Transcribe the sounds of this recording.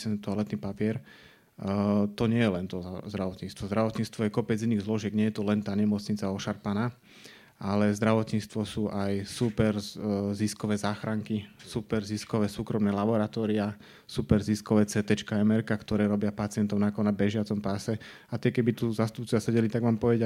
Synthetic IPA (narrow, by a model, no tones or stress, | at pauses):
sɛnt̪ɔɔlɛt̪niːpapɪɛɾ | t̪ɔɲɪɛjɛlɛnt̪ɔzd̪ɾaʋɔt̪ɲiːst̪ʋɔzd̪ɾaʋɔt̪ɲiːt͡st̪ʋɔjɛkɔpɛd͡ziniːɣzlɔʒɪɛɡɲɪɛjɛt̪ɔlɛnt̪aːɲɛmɔt͡sɲit͡saɔʃaɾpanaː | ʔalɛzd̪ɾaʋɔt̪ɲiːt͡st̪ʋɔsuːʔajsupɛɾziskɔʋɛːzaːxɾaŋkisupɛɾziskɔʋɛːsuːkɾɔmnɛːlabɔɾat̪ɔːɾia | supɛɾziskɔʋɛːt͡sɛːt̪ɛt͡ʃkaɛmɛɾkakt̪ɔɾɛːɾɔbɪapat͡sɪɛnt̪ɔʊnakɔnabɛʒɪat͡sɔmpasɛ | at̪ɪɛkɛbit̪uzast̪up̚t͡sʊʋasɛɟɛlit̪aɡʋaːmpɔʋɛɟa